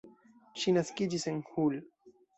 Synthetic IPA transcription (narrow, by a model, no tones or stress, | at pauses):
ʃinaskid͡ʒise̞nhul